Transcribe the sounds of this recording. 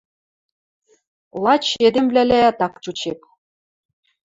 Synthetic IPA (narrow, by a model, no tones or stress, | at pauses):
lˠɑt͡ɕed̪ĕmblʲælʲæjɑt̪ɑkt͡ɕut͡ɕek̚